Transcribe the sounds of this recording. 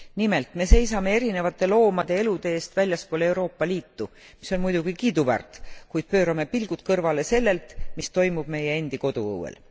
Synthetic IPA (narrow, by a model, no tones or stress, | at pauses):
nime̞lt̪me̞se̞jsɑme̞e̞ɾine̞vɑt̪ːˑe̞lo̞ːmɑd̪̥e̞e̞lud̪̥e̞eːst̪vælʲjɑspo̞ːleeuwɾo̞ːpːɑliːt̪ːu | miso̞nmujd̪̥uɡ̥ikiːd̪uvæ̰rt̪ˑkujd̪̥̚pø̞ːɾɑme̞pilɡ̥ut̪kɤrvɑle̞se̞lːe̞lt̪mist̪o̞jmub̥me̞je̞end̪̥iko̞d̪̥ṵɤ̰wḛl